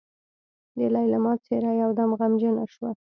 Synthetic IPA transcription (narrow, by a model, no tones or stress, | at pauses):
d̪əlɑjlamɑt͡seɾajawd̪amɣamd͡ʒənaʃwa